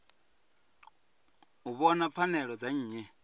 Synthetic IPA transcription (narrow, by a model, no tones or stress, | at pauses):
uβɔnap̪fʰanɛɺɔd͡zaɲ̩ːɲɛ